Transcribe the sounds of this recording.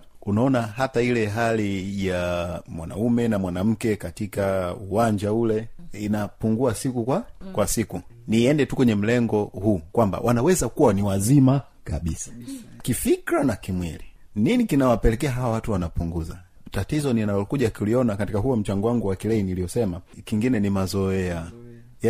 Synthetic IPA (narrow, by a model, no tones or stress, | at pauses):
unaɔnaɦatailɛɦalijamwa̰na̰umɛnamwanam̩kɛkatikauwaɲd͡ʒaulɛinapuŋɡuasikukwakwasiku | niɛndɛtukwɛɲɛm̩lɛŋɡɔhukwamba̰wʔanawɛzakuwaniwazima | kaɓisḁkifikɾanakimwḭli | ninikinawapɛlɛkɛaɦawawatuwanapuŋɡuza | tatizɔninalɔkuʄakuliɔnakatikaɦuɔm̩t͡ʃaŋɡɔwaŋɡuwakilɛinilijɔsɛmakiŋɡinɛnimazɔɛa